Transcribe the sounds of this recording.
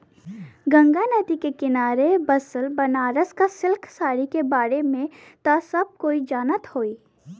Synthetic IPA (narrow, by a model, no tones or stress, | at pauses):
ɡə̃ŋɡanəd̪ikekɪnaːɾebɐsəlbɐnaːɾəskasɪlkʰsaːɾikebaːɾemẽ | t̪asɐb̚koːid͡ʒaːnət̪hoːiː